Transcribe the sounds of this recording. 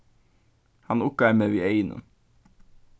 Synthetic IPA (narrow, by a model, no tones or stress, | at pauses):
hɑnʊkəæɾmeːʋieɪnə̰